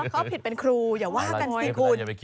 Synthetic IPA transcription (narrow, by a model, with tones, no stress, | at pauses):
kʰa˨˦˥wpʰi˨˩t̪̚pe˧nkʰɾuː˧jaː˨˩k̚waː˥˩ka˧niː˨˩kʰu˧n